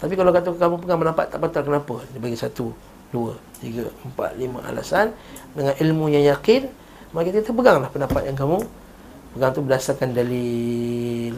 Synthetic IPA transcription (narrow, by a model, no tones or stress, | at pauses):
t̪ap̬ikalakat̪ukamupəɡaŋpənapa̰t̪ːaʔbat̪alkənapədibaɡisat̪u | duə | t̪iɡaəmpa̰t̪̚lima̰ʔa̰la̰sandəŋanilmujaŋjakɪn | makit̪̬əkit̪əpəɡaŋlahpəndampa̰t̪̚jaŋkamu | pəɡaŋt̪ubədasarkandali